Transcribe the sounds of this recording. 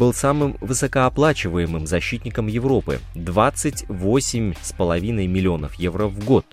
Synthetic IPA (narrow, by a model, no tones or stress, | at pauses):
b̥ɨlˠsamɨmvɨsəkəɐplˠat͡ɕɪvəjɪmɨmzɐɕːit̪ʲnʲɪkəmjɪvɾo̞pɨ̰d̪vat̪sɨtʲvosʲɪmʲspəlˠɐvʲinəjmʲɪlʲɪo̞nəfjevɾəvɡo̞t̪̚